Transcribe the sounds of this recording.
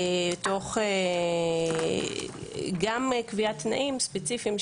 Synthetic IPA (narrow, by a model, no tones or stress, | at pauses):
to̞χe | ɡamkviatnaʔimspet͡sifim